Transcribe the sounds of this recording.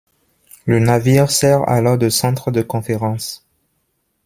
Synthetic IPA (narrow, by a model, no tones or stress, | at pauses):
lənaviʁsɛʁa̰lɔʁd̪əsɑ̃t̪χəd̪əkɔ̃feʁɑ̃s